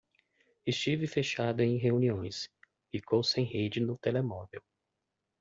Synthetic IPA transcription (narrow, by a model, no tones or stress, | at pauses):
ɪst͡ʃivɪfeʃad̪ʊẽj̃ɦeũniõj̃s | fikowsẽj̃hed͡ʒɪnʊt̪elemɔvew